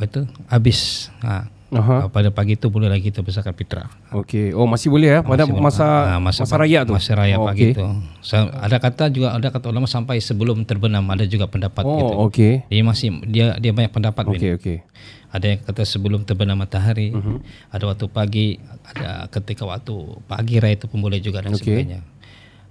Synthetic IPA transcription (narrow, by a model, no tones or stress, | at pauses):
at̪uabɪsa̰ | aɦapadapaɡit̪ubolɛhlaɡit̪əbəs̬arkanpit̪ɾa̰ | okeomasɪhbolɛhjaadamasaamasaasaɾajaʔt̪umasaɾajapaɡit̪usaa̰dakat̪ad͡ʒuɡaʔadakat̪aulamaʔsampajsəbəlʊmt̪ərbənamadad͡ʒuɡapəndapat̪t̪uokediamasɪhdiadiabaɲak̚pəndapat̪mineoke | adajakat̪asəbəlʊmt̪ərbənamat̪aɦaɾi | adawak̚t̪upaɡiada̰kət̪ikawa̰k̚t̪upa̰ɡiɾait̪upunbolɛhd͡ʒuɡadaosəɛɲa